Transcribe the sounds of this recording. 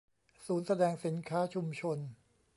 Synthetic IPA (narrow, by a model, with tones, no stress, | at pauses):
suː˩˦nsa˧dɛː˧ŋsi˩˦nkʰaː˦˥t͡ɕʰu˧mt͡ɕʰo˧n